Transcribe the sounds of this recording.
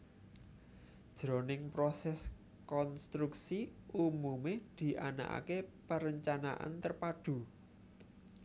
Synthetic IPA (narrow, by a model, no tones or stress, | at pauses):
d̥ʒ̥ɾo̤nɪŋpɾɔsɛs | kɔnst̪ɾuksiumumed̪̥i̤ʔana̰ʔa̰kepaɾəɲt͡ʃana̰ʔa̰nt̪ərpaɖ̥ṳ